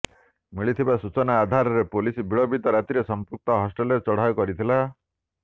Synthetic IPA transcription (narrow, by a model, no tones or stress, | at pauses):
miɭit̪ʰibasut͡ʃɔnaːd̪ʱaɾɔɾepolisbiɭɔbid̪ɔɾat̪iɾesɔmpuk̚t̪ɔɦɔsʈelɾet͡ʃɔɽ̤ajɔkɔɾit̪ʰila